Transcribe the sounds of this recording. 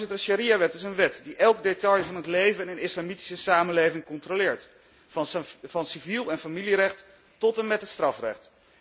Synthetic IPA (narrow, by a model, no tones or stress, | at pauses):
ɪtəɹʃaɾiaʋɛtɪsənʋɛtdiʔɛlˠkdetɑjvɑnɦətlejvənənɪslamiti̥səsaːmənlejvɪŋkɔntrolɪːɹt | fɑnsivilˠɛnfamilirɛχt | tɔtɛnmɛtɦətstrɑfrɛ̰χt